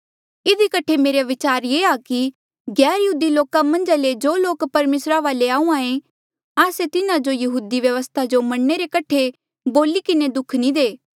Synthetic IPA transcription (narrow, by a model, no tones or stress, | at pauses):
ɪd̪ikɐʈʰemeːɾeʋɪt͡ʃaːɾjeːaki | ɡɛːɾjɐɦuːd̪iloːkamɐ̃nd͡ʒaled͡ʒoːloːkpɐɾmeːsɾaʋaːleaːũãːẽ | aːset̪ɪnãd͡ʒojɐɦuːd̪iʋjɐʋəst̪ʰad͡ʒomɐɽneɾekɐʈʰe | boːlikɪned̪ʊkʰnĩd̪eː